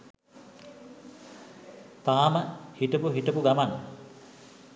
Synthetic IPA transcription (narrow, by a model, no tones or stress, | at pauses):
t̪aːməhiʈəpuɦiʈəpuɡaman